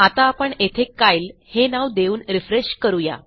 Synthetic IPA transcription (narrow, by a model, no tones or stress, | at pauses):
at̪aːpəɳet̪ʰekːajlhenaʋd̪euːnɾifɾeɕkəɾuja̰